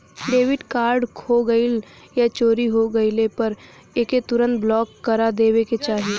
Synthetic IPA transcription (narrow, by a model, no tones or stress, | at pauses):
ɖeːʋɪʈkaːɾɖkʰoːɡəɪl | jat͡ʃoːɾiɦoɡɐɪlepɐɾ | eːket̪ʊɾə̃nt̪̚blɔːkːɐɾad̪eːweket͡ʃaːɦi